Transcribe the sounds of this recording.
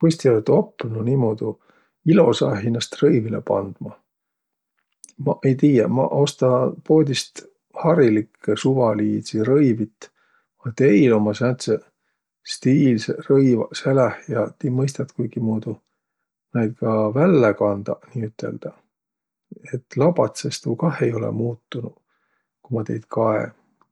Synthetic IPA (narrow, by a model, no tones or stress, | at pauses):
pust̪iolt̪opːˑnunimod̪u | ilo̞sɑɦinɑst̪rɤjvilepɑ̰nd̪̥mɑ | mɑʔejt̪iːjemɑ̰ʔo̞st̪ɑpo̞ːd̪ʲist̪ | hɑɾilikʰːesuvɑliːd̪siɾɤjvit̪ːˑ | ɑt̪eijlomɑsnæt̪se | st̪iːlserɤjvɑselehjɑt̪iːmɤjs̬t̪ɑt̪kujɡ̥imuːd̪u | nɑjd̪̚kɑvælːekɑnd̪̥ɑniːyt̪ːˑe̞̰ld̪̥ɑ | e̞t̪ːlɑbɑt̪sest̪uːkɑhe̞jo̞lɛ̰muːt̪ːunu | kumɑt̪e̞jd̪̥kʰɑḛ